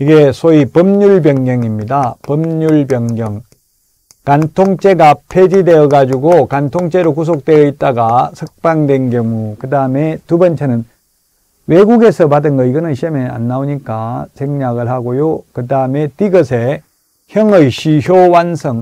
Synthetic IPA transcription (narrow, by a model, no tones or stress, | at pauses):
iɡesʰoipʌmɲuɭbjʌŋɡjʌŋimɲidapʌmɲuɭbjʌŋɡjʌŋ | kantʰoŋt͡ɕ͈e̞ɡapʰed͡ʑide̞ʌɡad͡ʑuɡokantʰoŋt͡ɕ͈e̞ɾokus̬ʰok̚t͈we̞ʌit̚t͈aɡasʰɯk̚p͈aŋdwenɡjʌŋukɯdaɯme̞tubʌnt͡ɕʰenɯn | we̞ɡuɡe̞sʰʌpadɯnɡʌiɡʌnɯɕʰiʌmea̰nːaoɲik͈at͡ɕeŋɲaɡɯɭhaɡojokɯdaɯme̞tiɡʌsʰe | çjʌŋɯiɕʰiçjowansʰʌŋ